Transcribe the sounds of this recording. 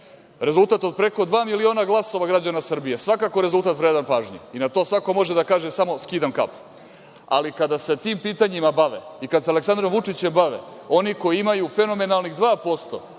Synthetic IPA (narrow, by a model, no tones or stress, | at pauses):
ɾe̞zult̪aːt̪od̪̚pɾe̞ko̞d̪ʋaːmilio̞ːnaɡlˠaso̞ʋaɡɾad͡ʑanasr̩bijesʋakakoɾe̞zult̪aːt̪ʋɾeːd̪anpaːʒɲḛinat̪oːsʋako̞mo̞ʒed̪akaːʒesamo̞skiːd̪amka̰pu̥ | a̰likad̪ase̞t̪iːmpiːt̪aɲimabaʋḛikad̪sealeksand̪ɾomʋut͡ʂit͡ɕembaʋḛo̞niko̞jiimajufe̞no̞me̞nalˠniɣd̪ʋaːpo̞st̪o̞̰